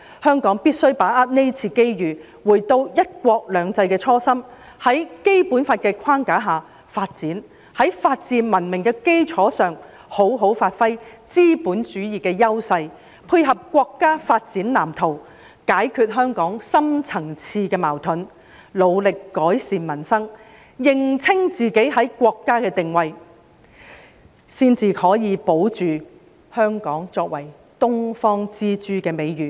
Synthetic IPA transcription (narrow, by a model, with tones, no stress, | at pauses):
hœː˥ŋkɔː˨˥ŋpiː˥t̚sɵ˥ɥpaː˨˥ʔaː˥t̚ne˥jt͡sʰiː˧ke˥jjyː˨˩ | wuː˨˩jt̪o˧wjɐ˥t̚kʷɔː˧k̚lœː˨˧ŋt͡sɐ˧jkɛː˧t͡sʰɔː˥sɐ˥m | hɐ˨˥jke˥jpuː˨˥nfaː˧t̚kɛː˧kʷʰwaː˥ŋkaː˨˥ɦaː˨ | faː˧t̚t͡siː˨˥n | hɐ˨˥jfaː˧t̚t͡siː˧nmɐ˨˩nmɪ˨˩ŋkɛː˧ke˥jt͡ʃʰɔː˨˥sœː˨ŋ | ho˨˥wɦo˨˥wfaː˧t̚fɐ˥j | t͡siː˥puː˨˥nt͡ʃyː˨˥jiː˨kɛː˧jɐ˥wsɐ˧j | pʰuː˧jɦɐ˨p̚kʷɔː˧kːaː˥faː˧t̚t͡siː˨˥nlaː˨˩mt̪ʰo˨˩w | kaː˨˥jkʰyː˧t̚ɦœː˥ŋkɔː˨˥ŋsɐ˥mt͡sʰɐ˨˩ŋt͡sʰiː˧kɛː˧maː˨˩wt̪ʰɵ˨˥n | lo˨˧wlɪ˨kːɔː˨˥jsiː˨nmɐ˨˩nsɐ˥ŋ | jɪ˨ŋt͡sʰɪ˥ŋt͡siː˨˩ke˨˥jɦɐ˨˥jkʷɔː˧kːaː˥kɛː˧t̪ɪ˨ŋwɐ˨j | siː˥nt͡sʰiː˧hɔː˨˥jiː˨˧po˨˥wt͡ʃyː˨ | hœː˥ŋkɔː˨˥ŋt͡sɔː˧k̚wɐ˨˩j | t̪ʊ˥ŋfɔː˥ŋt͡siː˥t͡ʃyː˥kɛː˧me˨˧jɥyː˨˩